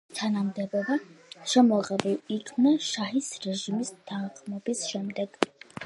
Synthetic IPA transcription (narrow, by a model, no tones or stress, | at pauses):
t̪ʰanamd̪ɛbɛbaʃɛmɔʁɛbulˠikʰmnɛʃaɦisɾɛʒimist̪ʰaɴχmɔbisʃɛmd̪ɛɡ̥